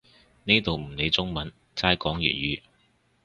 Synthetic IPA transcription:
ni˥t̪o˨wm̩˨˩ne˨˧jt͡sʊ˥ŋmɐ˨˥n | t͡saː˥jkɔː˨˥ŋjy̰˨˩t̚jyː˨˥

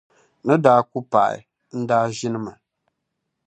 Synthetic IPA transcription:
nɨ˦daː˦ku˦pa̰˨ɪ̰˨ | n̩˦daː˦ʒɪ˦nɨ˦ma˨

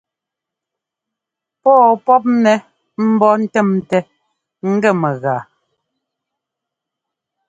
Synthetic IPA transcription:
pɔː˦˨pɔ˦p̬̚nɛ˨ | m̩˦bɔ˦n̩˦tɛ˦˨mtɛ˨ | ŋ̩˦ɡɛ˦˨mɛ˨ɣaː˨

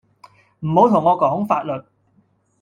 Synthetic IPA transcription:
m̩˨˩mo˨˥wt̪ʰʊ˨˩ŋːɔː˨˧kɔː˨˩hʊ˨˥ŋfaː˧t̚lɵ˨t̚

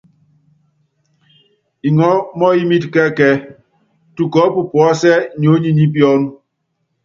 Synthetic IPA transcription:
i˨ŋɔ˦mɔ˦i˦mi˦tkɛ˦kɛ˦ | tu˨kɔ˨˦pu˨pwɔ˦sɛ˦ɲo˨˦ɲi˦ɲi˦pjɔ˦nu˦

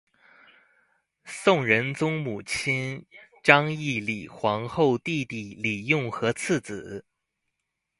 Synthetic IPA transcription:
sʊ˥˩ŋɻə˧˥nt͡sʊ˥ŋmu˨˩t͡ɕʰi˥nʈ͡ʂɑ˥ŋi˥˩li˨˩xwɑ˧˥ŋxo˥˧ʊt̪i˥˧t̪i˥˩li˨˩jʊ˥˩ŋxɤ˧˥t͡s̩ʰ˥˩t͡sɹ̩˨˩˦

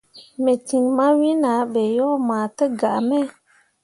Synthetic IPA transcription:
me˨ti˨ŋma˦wi˦na˨˦be˨jɔ˦maː˨tə˦ɡa˨ʔmɛ˦

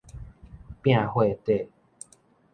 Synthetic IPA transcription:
pj̃ã˥˦˨hwe˥˧˨t̪e˥˨

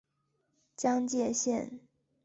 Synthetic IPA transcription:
t͡ɕjɑ˥ŋt͡ɕjɛ˥˧ɕjɛ˥˩n

